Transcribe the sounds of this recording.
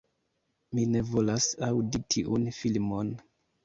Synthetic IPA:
mine̞vo̞lasawditʰiʔunfilmo̞n

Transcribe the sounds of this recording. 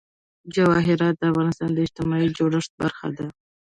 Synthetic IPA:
d͡ʒawɑɦɪɾɑt̪̚d̪əafɣɑnɪst̪ɑnd̪əɪd͡ʒt̪ɪmɑid͡ʒoɽəʂt̪̚baɾxa̰d̪a

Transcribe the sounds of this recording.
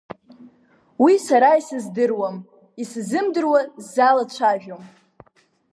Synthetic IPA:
wisaɾaisɨzdɨrwam | iszɨmdɨrwazalat͡ɕʷʰaʒᶣom

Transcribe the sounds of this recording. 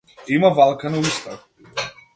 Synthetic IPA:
imavalˠkanuist̪ak

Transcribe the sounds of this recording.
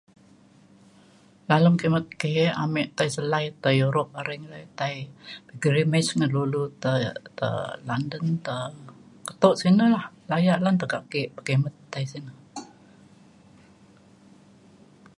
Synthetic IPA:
laləmkemət̪̚keʔamɛʔt̪ajsəlajt̪ajuɾɔp̚aɾɛŋlajt̪ajbəɡəɾimɛsŋəlulut̪ət̪ə̰landənt̪ə | kət̪oʔsinəlahlajaʔlant̪əkaʔkɪʔpəkemət̪ːaisinə

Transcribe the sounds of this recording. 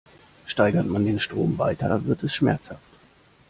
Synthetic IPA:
ʃtaɪɡɐtmandeːnʃtʁ̥oːmva̰ɪtʰɐ̰vɪɐtɛsʃmɛ̰ɐt͡shaft

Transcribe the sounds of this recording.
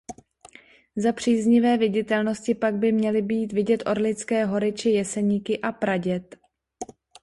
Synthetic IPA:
zapr̝̥iːzɲɪvɛːvɪɟɪt̪ɛlno̞scɪpaɡ̚bɪmɲɛlɪbiːt̪vɪɟɛt̪ʔo̞ɾlɪt͡skɛːɦo̞ɾɪt͡ʃɪjɛsɛɲiːkɪʔapɾaɟɛt̪

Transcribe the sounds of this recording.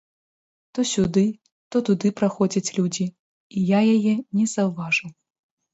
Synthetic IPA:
t̪ɔsʲud̪ɨ | t̪ɔt̪ud̪ɨpɾaxɔd͡zʲɐt͡sʲlʲud͡zʲi | ijajajɛnʲɛzɐwvaʐɨw

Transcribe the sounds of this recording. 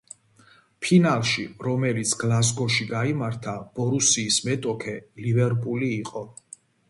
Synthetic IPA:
pʰinalˠʃiɾɔmɛlit̪sʰɡ̥lˠaz̬ɡɔʃiɡaimaɾt̪ʰab̥ɔɾusiːsmɛt̪ʼɔkʰɛlivɛɾpʼuliːqʼɔ

